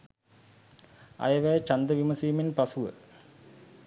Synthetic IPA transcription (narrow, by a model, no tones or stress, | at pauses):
ɐ̰jɐʋɛjt͡ʃɐnd̪əʋimɐsiːminpɐsuʋə̰